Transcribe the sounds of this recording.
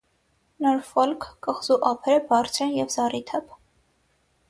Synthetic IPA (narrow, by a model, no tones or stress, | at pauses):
nɔɾfɔlkʰːəχzuʔɑpʰɛɾəbɑrt͡sʰɛnjɛvzɑrit̪ʰɛpʰ